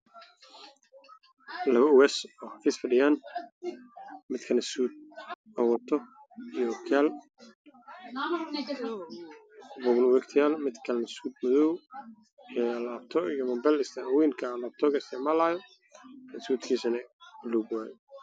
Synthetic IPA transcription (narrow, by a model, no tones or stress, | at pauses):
lɐβɐʊwɛsɔːhɑfiːsfɐɖɪjaːn | mɪd̪kʰɐnɐsuːd̪̚ | ɐwɔt̪ʰɔjɔwkʰjaːl | bɔɡnwɛkt̪ʰɪjaːlmɪd̪kʰɐlnɐsuːd̪mʊðɔw | ɛlaːbt̪ʰɔɪjɔmɐmbɛlɪst̪ʰawiːnkʰɐlaːb̚t̪ʰɔɡɛsɐmalaːjɔ | nɐsuːt̪kʰiːsɐnɐluːbwaːjɔ